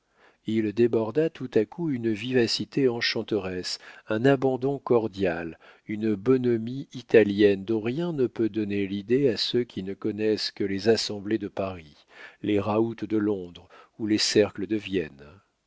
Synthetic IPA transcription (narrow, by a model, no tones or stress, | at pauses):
ild̪ebɔʁd̪at̪ut̪akuynvivasit̪eɑ̃ʃɑ̃t̪əʁɛsɛ̃nabɑ̃d̪ɔ̃kɔʁd̪jal | ynəbɔnɔmiit̪aljɛnd̪ɔ̃ʁjɛ̃nəpød̪ɔnelid̪easøkʲʰinəkɔnɛskəlezasɑ̃bled̪əpaʁi | leʁaut̪d̪əlɔ̃d̪ʁulesɛʁkləd̪əvjɛn